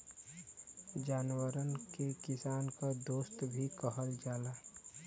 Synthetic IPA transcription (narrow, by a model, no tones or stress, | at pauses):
d͡ʒaːnwəɾənkekɪsaːnkad̪oːst̪bʱikəɦəld͡ʒaːla